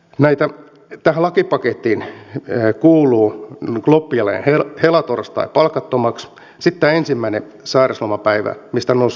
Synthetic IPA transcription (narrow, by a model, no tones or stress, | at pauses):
næit̪æ | t̪æhælɑkipɑket̪ːiːn | kuːluːɡ̥lopːiɑlḛːnhehelɑt̪orst̪ɑ̰ipɑlkɑt̪ːomɑks | sit̪ːæːensimːæine | sɑːreslomɑpæiʋæ̰mist̪ænos